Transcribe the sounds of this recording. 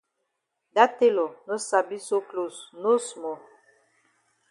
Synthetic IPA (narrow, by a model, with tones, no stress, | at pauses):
da˦te˦lɔ˨no˦sa˨bi˦so˦klo˨sno˦smɔ˨